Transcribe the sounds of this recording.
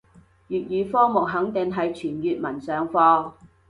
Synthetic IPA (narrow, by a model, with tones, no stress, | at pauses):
jyː˨t̚jyː˨˧fɔː˥ŋmʊ˨k̚ɦɐ˨˥ŋt̪ɪ˨ŋɦɐ˨jt͡ʃʰyː˨˩njyː˨t̚mɐ˨˩nsœː˨˧ŋfɔː˧